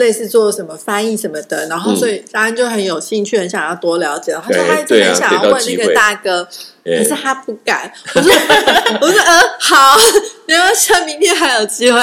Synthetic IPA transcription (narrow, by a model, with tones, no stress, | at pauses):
le˥˧ɪsɹ̩˥˧t͡swɔ˥˧˥ʂə˧˥nmə˧˩fa˥ni˥˩ʂə˧˥nmə˧d̪ə˨ɻa˧˥nxo˥˧ʊswɔ˧˥i˨˩t̪ɑ˥a˧˥nt͡ɕjo˥˩ʊxə˧˥njo˨˩ʊɕi˥˧ŋt͡ɕʰy˥˩nə˧˥nɕjɑ˥˩ŋt̪ʰa˥t̪wɔ˥ljɑ˧˥ʊt͡ɕjlə˧˥˧t̪ʰə˧˥ɕjɑ˨ŋ˧wə˥˧na˧˥˩ɡə˨t̪a˥˩kɤ˥ | kʰə˨˩ʂɻ̩˥˩t̪ʰa˥pu˥˧˩ka̰˨˩˦nwɔ˨˩ʂwɔ˨˩ɔ˥ə˧xɑ˨˩ʊɛ˥ə˥˩ɕə˥˩mi˧˥ŋt̪jɛ˥˩xa˧˥jo˨˩ʊt͡ɕi˥˧xwe˥˩